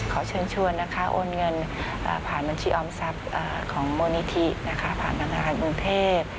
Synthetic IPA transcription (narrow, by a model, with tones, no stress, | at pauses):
kʰa˩˦wt͡ɕʰɤː˧nt͡ɕʰu˧əjna˦˥kʰa˦˥ʔo̰ː˧nŋɤ˧nʔa̰ː˨˩pʰaː˨˩nba˧nt͡ɕʰiː˧ʔɔː˧msa˦˥p̚ʔaː˨˩kʰɔː˩˦ŋmoː˧ni˧t̪ʰi˦˥na˦˥kʰa˦˥pʰa̰ː˨˩nt̪ʰa˧ŋnaː˧kʰaː˧˩nʔu˧np̪ʰeː˥˩t̪̚